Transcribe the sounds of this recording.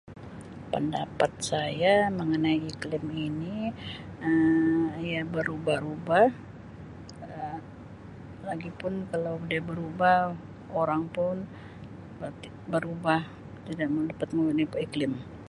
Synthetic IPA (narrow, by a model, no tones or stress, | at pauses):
pənda̰pat̪̚sajaməŋənajiklɪmini | əjabəɾubahubah | ə | laɡipʊnkalawdiabəɾubah | oɾaŋpʊn | ət̪i | bəɾubah | t̪idaʔmadapat̪̚məŋənipiklɪm